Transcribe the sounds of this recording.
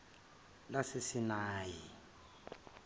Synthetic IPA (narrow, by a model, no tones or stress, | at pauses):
lasɪsinaːji